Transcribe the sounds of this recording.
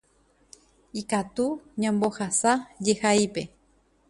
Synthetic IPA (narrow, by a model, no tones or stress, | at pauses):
ikat̪uɲãmbohasajehaipe